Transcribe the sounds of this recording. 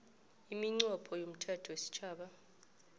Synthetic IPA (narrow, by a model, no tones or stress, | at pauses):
imiŋ͡ǀɔpʰɔjom̩tʰatʰwesi̥t͡ʃʰaːɓa